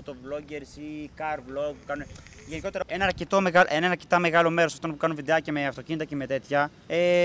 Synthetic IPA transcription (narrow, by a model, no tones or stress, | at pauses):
ot̪ovlo̞ɟeɾsikɐɾvlo̞ɡpukɐnun | ʝeniko̞t̪e̞ɾɐenɐɐɾce̞t̪o̞meɣɐlʔenɐenɐɾcet̪ɐme̞ɣɐlo̞me̞ɾosɐft̪onpukɐnunviðeɐce̞meɐft̪o̞cinit̪ɐceme̞t̪e̞t̪çɐ | e